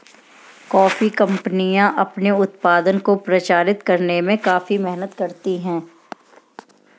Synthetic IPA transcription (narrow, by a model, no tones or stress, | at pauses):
kɔːfikɐ̃mpnijãʔɐpneʊt̪̚paːd̪ənkopɾɐt͡ʃaːɾɪt̪kɐɾnemẽkaːfimɛɦnət̪kɐɾt̪iɦɛ̃ː